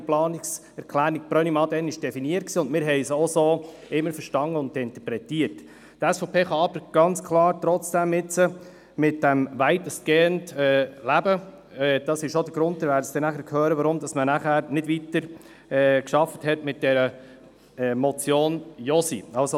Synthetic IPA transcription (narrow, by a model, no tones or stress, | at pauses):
plɑːnɪks | ɛɾkʰlæːɾik̚pɾɔnimɑd̪ɛnɪʃd̥ɛfiniət̚ksiːʊndmɪːɾɦɛɪsosoː | ɪmːəɾfəɾʃtɑŋəʊndɪnt̪əpɾɛtiəɾt | tæsfopʰeːχɑɑbəɾɡ̥ɑnt͡skʰlɑːɾt̪ɾɔt͡sd̥æmːɪt͡sə | mɪt̚d̥æmʋæɪtəsɡ̥eːəndɛːlæbə | ɛd̥ɑsɪʃʃod̪əɡ̥ɾʊnt̚t̪əɾʋæːɾəsd̥ɛnæχəɾkʰhøːɾəʋɑɾʊmd̪ɑsmənæχæːɾnɪdʋit̪əɾ | ɛkʃɑfəthɛtmɪt̚d̥ɛɾə | ɛmɔt͡sjoːnjɔsḭɑlso